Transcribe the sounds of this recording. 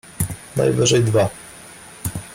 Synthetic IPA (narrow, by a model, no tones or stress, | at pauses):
na̰jvɘʐɛjd̪va